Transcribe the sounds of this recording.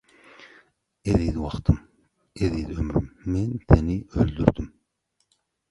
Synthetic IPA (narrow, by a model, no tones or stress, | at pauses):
eðid̪ɪwɑχt̪ʰɨm | eðid̪ɪømɾy̰mːɛnsenɪøld̪yɾd̪ym